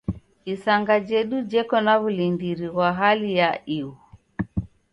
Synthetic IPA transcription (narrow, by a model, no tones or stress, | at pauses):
isaŋɡad͡ʒɛɗud͡ʒɛkɔnaβulindiɾiɣwaɦalijaiu